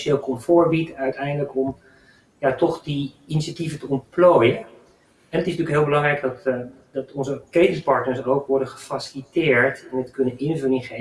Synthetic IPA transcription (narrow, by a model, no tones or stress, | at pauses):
ʃeːlˠkʰɔmfoːɹbitœɥtʰɛjndələkɔm | jatɔχdi | inisativətəɔnplojə | ɛnətɪsntyəkɦɪːlˠbəlɑŋrɛjkdɔt | dɔtʰɔnzəkejtɪŋspɑɹtnəɹsowkʋɔɹdəχə̥fasilitɪːɹtɛnətkɵnənɪnvʉlənɪnχe